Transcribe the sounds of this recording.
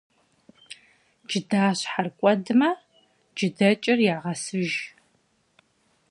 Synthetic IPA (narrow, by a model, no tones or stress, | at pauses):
d͡ʒɪdaːɕħarkʷʼɔdɨmɐ | d͡ʒɪdɐt͡ʃʼɪrjaːʁɐsɨʒ